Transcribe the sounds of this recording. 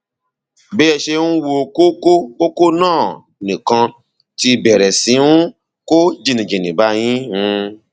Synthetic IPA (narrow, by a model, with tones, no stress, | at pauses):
be˦ɛ˧ʃe˧nũ˦wo˧ko˦ko˦o˦ko˦nãː˦˨ | nĩ˨kã˧ | ti˧bɛ˨ɾɛ˨sĩ˨˦nũ˦ | ko˦d͡ʒi˦˧˨nĩ˨d͡ʒĩ˨nĩ˨ba˨˦j̃ĩ˦ũ˧